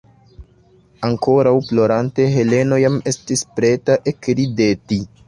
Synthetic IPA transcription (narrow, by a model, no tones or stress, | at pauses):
aŋko̞ɾawplo̞ɾante̞ɦe̞le̞no̞jame̞stispɾe̞taʔe̞kɾide̞ti